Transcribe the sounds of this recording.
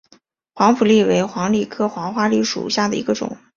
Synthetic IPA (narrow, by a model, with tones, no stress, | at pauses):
xwɑ˧˥ŋfu˨˩li˥˩we˧˥ɪxwɑ˧˥ŋli˨˩kʰɤ˥˩xwɑ˧˥ŋxwa˥li˥˩ʂṵ˨˩ɕja˥˩d̪ə˩ḭ˧˥ɡə˧ʈ͡ʂʊ̰˨˩˦ŋ